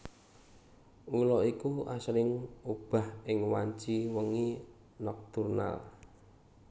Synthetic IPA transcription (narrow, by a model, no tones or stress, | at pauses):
ulɔikuasɾɪŋub̥a̤hɪŋwaɲt͡ʃiwəŋi | nɔk̚t̪urna̰l